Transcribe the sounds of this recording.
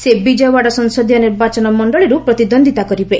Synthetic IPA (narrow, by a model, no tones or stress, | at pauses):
sebid͡ʒɔjwaɽɔsɔnsɔd̪ʱjɔniɾbat͡ʃɔnɔmɔɳɖɔɭiɾupɾɔt̪id̪ɔnd̪ʱit̪akɔɾibe